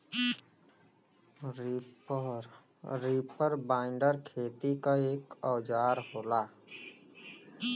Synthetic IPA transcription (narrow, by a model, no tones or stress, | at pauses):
ɾiːpəɾbaːɪ̃ɳɖəɾkʰeːt̪ikaeːkɔːd͡ʒaːɾɦoːlaː